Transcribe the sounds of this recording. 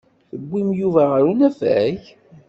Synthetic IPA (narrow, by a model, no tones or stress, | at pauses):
θəɡʷːimjuvæʁəɾunæfæç